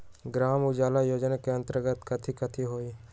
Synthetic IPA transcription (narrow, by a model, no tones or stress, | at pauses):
ɡɾaːmʊd͡ʒaːlajoːd͡ʒnakeɐ̃nt̪əɾɡət̪kɐt̪ʰikət̪ʰiɦoːi